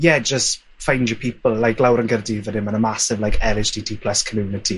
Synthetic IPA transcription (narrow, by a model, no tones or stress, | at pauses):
jɛd͡ʒəst | fãj̃nd͡ʒjəpʰipəl̩ˠlajklawɾə̃nɡərdiðədɪ̃mənəmasɪvlajkʰɛlɪd͡ʒdiːtʰiːpʰləskʰəmjuːnɪtʰi